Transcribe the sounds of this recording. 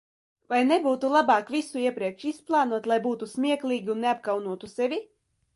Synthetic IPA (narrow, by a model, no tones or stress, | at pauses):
vajnebuːt̪ulˠabɑːkvʲisuiɛpɾiɛkʃisplˠɑːnuɔt̪lˠajbuːt̪usmʲiɛklʲˠiːɡʲiunːeap̚kawnuɔt̪usevʲi